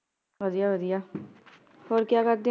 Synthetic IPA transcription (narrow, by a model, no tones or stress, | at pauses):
ʋəd̪ijaʋəd̪ija | oːɾkjaːkəɾd̪ẽ